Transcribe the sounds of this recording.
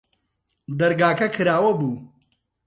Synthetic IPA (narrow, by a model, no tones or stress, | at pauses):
d̪ɐɾɡaːkʰɐkʰɨɾaːwɐbuː